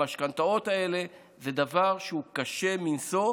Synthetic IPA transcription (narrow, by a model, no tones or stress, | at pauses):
ʃkant̪ao̞t̪ae̞le̞ | zed̪avaʁʃeukaʃe̞minso̞